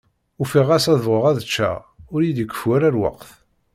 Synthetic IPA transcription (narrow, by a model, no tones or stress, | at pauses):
ufiʁæsæðvʁəʁæðət͡ʃːæ̰ | ʊɾjid̪əkʷːə̥fwæɾæɾwɑ̰qθ